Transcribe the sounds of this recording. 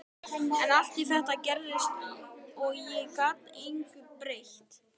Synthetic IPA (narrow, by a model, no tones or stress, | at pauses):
ɛnaft̪iθɛht̪acɛɾðɪst̪iɔɣjɛkaːt̪nejŋkɪpɾejht̪